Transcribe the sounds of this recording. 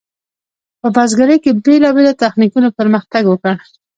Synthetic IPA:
pəbɑzɡaɾəjkebelɑbelat̪axnikunapəɾməxt̪aɡwəkəɽ

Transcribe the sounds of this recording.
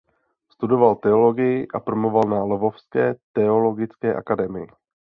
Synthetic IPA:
st̪udo̞valt̪ɛolo̞ɡɪjɪʔapɾomovalnalovofskɛːt̪ɛoloɡɪt͡skɛːʔa̰kadɛmɪjɪ

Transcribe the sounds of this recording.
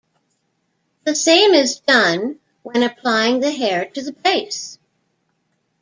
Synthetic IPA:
ðɨsẽɪ̃mɪzdʌ̃n | wə̃nɨpʰl̥aɪɪ̃ŋðɨɦɛɹɾɨðɨpʰeɪs

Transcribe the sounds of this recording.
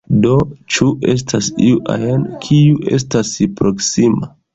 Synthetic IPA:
do̞t͡ʃue̞s̬tʰasḭuʔa̰jenkʰiuʔe̞̰s̬taspɾoksima

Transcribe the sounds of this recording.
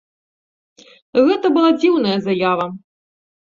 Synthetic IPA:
ɣɛt̪ɐbɨlˠad͡zʲiwnɐjɐzɐjavɐ

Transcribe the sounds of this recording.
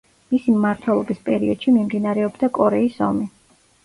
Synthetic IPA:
misimmaɾt̪ʰwɛlˠɔbispʼɛɾiɔd̪̥ʃimimd̪inaɾɛɔbd̪akʼɔɾɛisɔ̰mi

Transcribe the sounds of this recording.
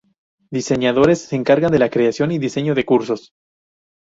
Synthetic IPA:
d̪ise̞ɲaðo̞ɾese̞ːŋkaɾɣand̪e̞lakɾe̞asjo̞niðiseɲo̞ðe̞kuɾso̞s

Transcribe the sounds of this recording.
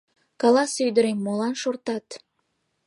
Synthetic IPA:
kɑlɑsyjd̪əɾemːolɑnʃort̪ɑt̪

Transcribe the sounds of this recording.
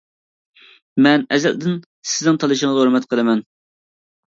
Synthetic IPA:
mɛnɛzɛ̰ld̪ɪn | sɪznɪŋt̪ʰɑlˠɨʃɪŋzhoɾmɛt̪qʰəlˠɪmɛn

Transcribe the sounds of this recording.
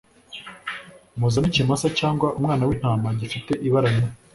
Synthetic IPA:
muzanicimasacaːŋɡwaʔumŋaːnawin̥haːmbaɟifite̞ʔiβaɾaɲe

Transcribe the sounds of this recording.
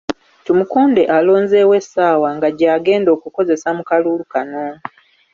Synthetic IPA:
timukuːnde̞ʔalo̞ːnzeːwe̞saːwaŋɡaɟaːɡe̞ːndo̞ːkuko̞ze̞samukaluːlukano

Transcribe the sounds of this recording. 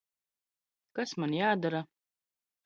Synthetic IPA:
kasmanjaːd̪aɾa

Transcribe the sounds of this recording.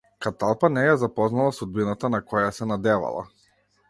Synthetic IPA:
kat̪alˠpanɛjazapɔznalˠasud̪̚binat̪anakɔjasɛnad̪ɛva̰lˠa̰

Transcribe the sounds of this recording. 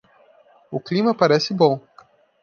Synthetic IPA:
uklʲimɐpaɾʲɛsʲibɔwˠ

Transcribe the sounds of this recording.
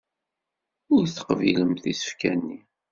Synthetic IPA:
ʊɾθə̥qviləmθisə̥fkænːi

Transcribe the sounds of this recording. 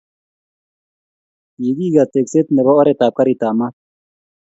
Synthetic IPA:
jiɡiːɡat̪ekset̪neβaoɾet̪aːp̚kaɾit̪aːmat̪̚

